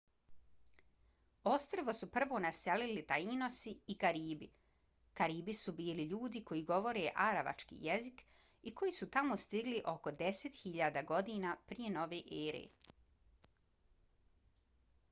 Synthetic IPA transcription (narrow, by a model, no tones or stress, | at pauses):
ost̪ɾoʋo̞supr̩ʋo̞ːnaselilit̪aino̞siikaɾiːbi | kaɾiːbisubiːliʎuːd̪iko̞jiːɡo̞ʋo̞ɾeʔaɾaʋa̰t͡ʃkḭjezik | iko̞jisut̪amost̪iɡliʔo̞ko̞d̪e̞set̪xiʎaːd̪aːɡo̞d̪iːnaːpɾije̞no̞ʋeːʔeːɾḛ